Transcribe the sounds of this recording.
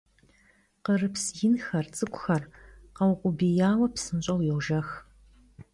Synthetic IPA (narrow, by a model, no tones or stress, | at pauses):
qərɨpsjɪnxɐrt͡sʼɨkʷʼʊxɐrqɐwqʷʊbijaːwɐpsɨnɕʼɐwjɛwʒɐx